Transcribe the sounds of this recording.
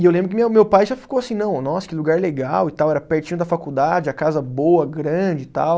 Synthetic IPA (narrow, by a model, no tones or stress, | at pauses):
ɪewlẽbɾʊkɪmmewpajʒafi̥kowasĩnɐ̃w̃nɔsɐ̥kɪluɡaɾleɡawɪt̪awɛɾɐpɛɾt͡ʃĩɲ̃ʊd̪ɐfakud̪ad͡ʒɪɐkazɐboɐɡɾɐ̃d͡ʒɪt̪a̰w